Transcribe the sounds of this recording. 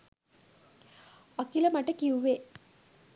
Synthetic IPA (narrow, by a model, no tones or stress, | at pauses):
akiləmaʈəkiuʋe